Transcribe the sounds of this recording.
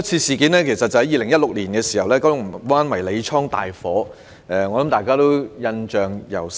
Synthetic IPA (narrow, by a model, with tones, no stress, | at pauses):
t͡sʰiː˧siː˨˧kiː˨˥nlɛː˥kʰe˨˩jsɐ˨t̚t͡sɐ˨hɐ˦˥jiː˧lɪ˨˩ŋjɐ˥t̚lʊ˨k̚liː˨˩nkɛː˧si̥˨˩hɐ˨wlɛː˥kɔ˥ʊ˥˩waː˥nwɐ˨˩jle˨˧jt͡ʃʰɔː˥ŋt̪a̰ː˨jfɔː˨˥ | ɛː˨˧ŋɔː˨˧lɐ˨˦mt̪aː˨jkaː˥t̪o˥wjɐ˧nt͡ʃœː˨ŋjɐ̰˨˩w